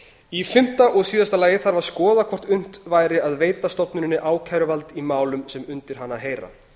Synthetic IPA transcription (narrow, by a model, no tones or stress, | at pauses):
ifɪm̥t̪aʔɔɣsiːðast̪alaːjɪθaɾvaɾ̥skɔːðakʰɔr̥t̪ʏn̥t̪vaːjɾɪaðveːjt̪ast̪ɔpnʏɾɪnːɪʔaːwkʰajɾʏvalt̪imaːwlʏmsɛmʏnt̪ɪɾ̥ɦanːaɦeːjɾa̰